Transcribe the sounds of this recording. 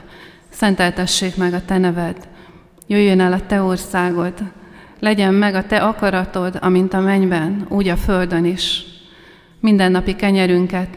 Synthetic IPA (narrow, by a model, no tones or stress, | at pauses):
sɛnt̪ɛlt̪ɛʃːeːkmɛɡɒt̪ɛnɛvɛd̪ | jøːjːønɛlɒt̪ɛo̞rsaːɡo̞d̪ | lɛɟɛmːɛɡɒt̪ɛʔɒkɒɾɒt̪o̞d̪ɒ̰mint̪ɒmɛɲbɛnuːɟɒføld̪ø̞niʃ | mind̪ɛnːɒpikɛɲɛɾyŋkɛt̪